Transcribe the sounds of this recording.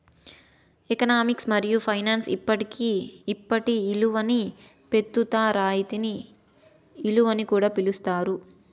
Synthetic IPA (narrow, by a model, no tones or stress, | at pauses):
ekɐnaːmiksmɐɾijupʰɐjnaːnsḭpːɐʈikiːpːɐʈiːluʋɐni | pe̞t̪ːut̪aːɾaːjit̪iniː | luʋɐnikuːɽaːpilust̪aːɾu